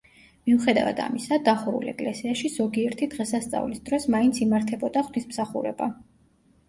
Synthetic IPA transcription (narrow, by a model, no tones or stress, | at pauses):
miuχɛd̪a̰va̰d̪a̰misad̪aχuɾṵlɛ̰kʼlɛsiaʃizɔɡiɛɾt̪ʰid̪̥ʁɛsast̪sʼa̰vlisd̪ɾɔsmaint̪sʰimaɾt̪ʰɛbɔd̪aχwnismsaχṵɾɛ̰ba̰